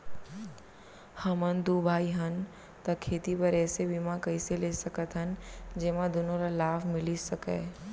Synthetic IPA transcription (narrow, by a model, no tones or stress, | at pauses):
hɐmənd̪ubʱaːiɦɐn | t̪ɐkʰeːt̪ipɐɾɛːsebimãkɐiseleːsɐkət̪ɦɐnd͡ʒeːmãd̪ʊnõɾalaːbʰmɪlisɐkḛː